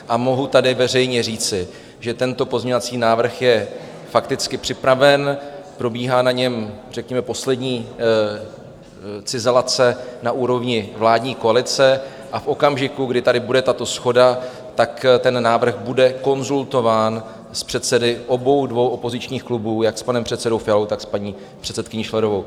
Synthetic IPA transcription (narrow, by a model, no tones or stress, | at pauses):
ʔamo̞ɦut̪adɪvɛrɛjɲɛriːt͡sɪ | ʒɛt̪ɛnt̪o̞po̞zɲo̞vat͡siːnaːvr̩xjɛ | fakt̪ɪt͡skɪpr̥ɪpɾavɛnpɾo̞biːɦaːnaɲɛmrɛkɲɛmɛpo̞slɛdɲiː | t͡sɪzɛlat͡sɛnaʔuːɾo̞vɲɪvlaːdɲiːko̞alɪt͡sɛ | ʔafʔo̞kamʒɪkuɡdɪt̪adɪbudɛt̪at̪o̞sxo̞da | t̪akt̪ɛnːaːvr̩ɣbudɛko̞nzult̪o̞vaːn | spr̝̥ɛt̪sɛdɪʔo̞bo̞wdvo̞wʔopo̞zɪt͡ʃɲiːxklubuːjakspanɛmpr̝̥ɛt̪sɛdo̞wfɪalo̞wt̪akspaɲiː | pr̥ɛt̪sɛt̪kɪɲɪʃlɛɾovow